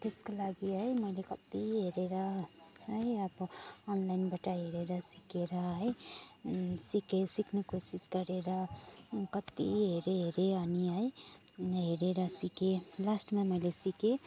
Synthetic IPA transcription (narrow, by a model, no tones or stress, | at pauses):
t̪eskolaɡiɦəjməɪlekət̪iɦeɾeɾaɦɦəjəbɔnlaɪnbəʈaɦeɾeɾasikeɾaɦɦəj | sikesikʰnekosiskəɾeɾakət̪ḭɦeɾeɦeɾeaniɦəj | ɦeɾeɾasikelasʈmẽməɪlesike